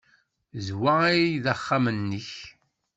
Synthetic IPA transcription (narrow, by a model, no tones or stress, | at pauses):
zwaiðəχːamənːəç